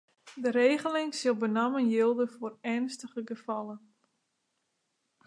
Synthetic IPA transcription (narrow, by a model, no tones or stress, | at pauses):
dəɾeːɣəlɪŋsɪlˠbənamənjɪlˠdəfoːrɛnstəχəɡəfɑlˠən